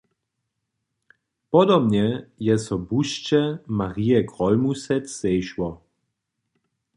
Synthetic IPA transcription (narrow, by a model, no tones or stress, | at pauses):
pɔd̪ɔbɲɛjɛsɔbuʃt͡ʃɛmaʁiɛɡʁɔlmusɛt͡sːɛjʃwɔ